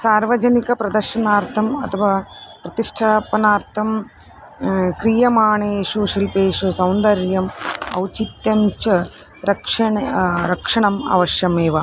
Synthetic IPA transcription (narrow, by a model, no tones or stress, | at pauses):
saːɾʋɐd͡ʒɐnikɐpɾɐd̪ɐɾʃɐnaːɾt̪ʰɐmɐt̪ʰɐʋaːpɾɐt̪iʂʈʰaːpɐnaːɾt̪ʰɐm | kɾijɐmaːɳeːʃuʃilpeːʂusɐwnd̪ɐɾjɐmɐ̰wt͡ʃit̪jɐmt͡ʃɐ | ɾɐkʂɐɳɾɐkʂɐɳɐma̰ːʋɐʃjɐmeːʋɐ